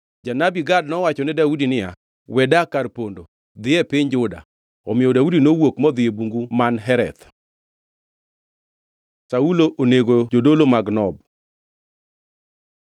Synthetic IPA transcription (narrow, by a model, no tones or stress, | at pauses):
d͡ʒanabiɡad̚nɔwat͡ʃɔnɛdaudinɪja̰ | wɛdakarpondo | d̪ɪjɛpɪɲd͡ʒʊda̰ | ɔmɪjɔdaudinowokmɔd̪ɪebuŋɡumanɦɛɾɛ̰t̪ | sauloʔoneɡod͡ʒodolomaɡnɔb̚